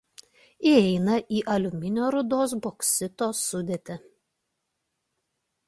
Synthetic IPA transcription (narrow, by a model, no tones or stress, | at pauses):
iɛɪnɐʔiːʔɐlʲʊmʲɪnʲoːɾʊd̪oːs̬boksʲɪt̪oːsʊd̪ʲeːt̪ʲɛ